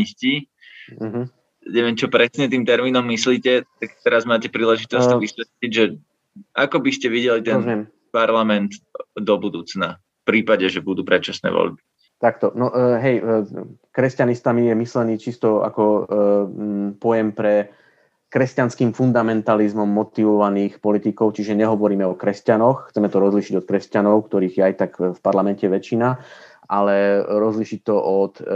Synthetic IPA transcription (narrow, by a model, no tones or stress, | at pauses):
isci | ɦ | ɲɛʋɪɛmt͡ʃɔpɾɛsɲɛt̪iːmt̪ɛɾmiːnɔmːisliːcɛt̪akt̪ɛɾazmaːcɛpɾiːlɛʒit̪ɔssʋisɛt̪liɟʒɛ | akɔbiscɛʋiɟɛlit̪ɛnmɛm | paɾlamɛnt̪d̪ɔbud̪uːt͡sna | fpɾiːpaɟɛʒɛbud̪uːpɾɛt̪t͡ʃasnɛ̰ːʋɔ̰ʎbi | t̪akt̪ɔnɔʔɦɛj | kɾɛscanist̪amijɛmislɛniːt͡ʃist̪ɔa̰kɔ | pɔjɛmpɾɛ | kɾɛscanskiːmfund̪amɛnt̪alizmɔmːɔt̪iʋɔʋaniːxpɔlit̪ikɔʊt͡ʃiʒɛɲɛɦɔʋɔɾiːmɛɔkɾɛscanɔxxt͡sɛmɛt̪ɔɾɔzliʃiɟɔt̪̚kɾɛscanɔʊkt̪ɔɾiːɣjɛajt̪akfpaɾlamɛncɛʋɛt͡ʃina | ʔalɛɾɔzliʃic̚t̪ɔʔɔt̪